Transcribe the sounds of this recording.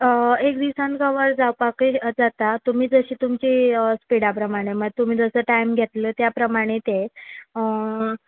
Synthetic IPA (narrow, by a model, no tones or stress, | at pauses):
ek̚d̪isãnkəʋəɾd͡zawpakid͡zat̪at̪um̤iːd͡zəɕiːt̪umt͡ɕiːspiɽapɾəmaɽ̃eməɡt̪um̤iːd͡zəsəːʈajmɡʱet̪ləːt̪japɾəmaɽ̃et̪eə